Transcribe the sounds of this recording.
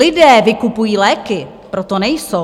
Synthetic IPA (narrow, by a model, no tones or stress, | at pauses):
ɪdɛːvɪkupujiːlɛːkɪ | pɾot̪onɛjso